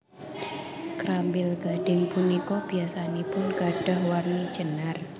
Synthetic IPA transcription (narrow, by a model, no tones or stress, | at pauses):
kɾambɪlɡ̥aɖ̥ɪŋpunikob̥iasanepʊnɡ̥aɖ̥ɔhwarni̥d͡ʒ̥ənar